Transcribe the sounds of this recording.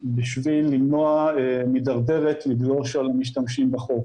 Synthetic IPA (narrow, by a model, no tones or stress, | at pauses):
biʃvilːimno̞aemidaʁde̞ʁet̪liɡɡoʁʃalamiʃ̬tamʃimbaχo̞k